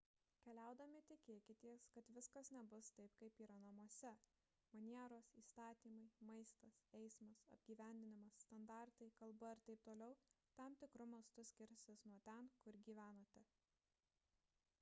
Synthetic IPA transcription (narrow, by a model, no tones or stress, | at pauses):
kʲɛlʲæˑʊd̪ɐmʲɪt̪ʲɪkʲeːkʲɪt̪ʲiɛskɐt̪ʋʲɪskɐsnʲɛbʊst̪ɐɪpkɐɪpiːɾɐnɐmuɔsʲɛ | mɐnʲiɛɾoːsiːst̪ɑːt̪ʲiːmɐɪmɐɪst̪ɐsɛɪsmɐsɐ̰bʲɡʲiːʋʲæˑnʲd̪ʲɪnʲɪmɐsːt̪ɐnd̪ɑˑɾt̪ɐɪkɐlˠbɐɪɾt̪ɐɪp̚t̪oːlʲɛʊ | t̪ɐmt̪ʲɪkɾʊmɐst̪ʊsʲkʲɪɾʲsʲɪsnuɔt̪ʲɛnkʊɾɡʲiːʋʲæːnoːt̪ʲɛ